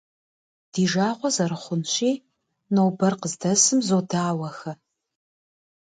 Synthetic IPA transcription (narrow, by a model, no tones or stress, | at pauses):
d̥iːʒaːʁʷɔzɐɾɨχʷʊnɕʼiː | nowbɐrqəzdɐsɨmzodaːwɐxɐ